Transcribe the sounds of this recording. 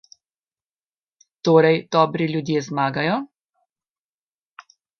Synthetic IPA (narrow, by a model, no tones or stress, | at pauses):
t̪oːɾɛjd̪̥ɔːbɾiljud̪jeːzmaːɡajɔ